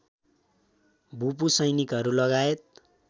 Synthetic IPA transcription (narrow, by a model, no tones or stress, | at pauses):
bʱup̬usʌjnikɦʌɾulʌɡaet̪̚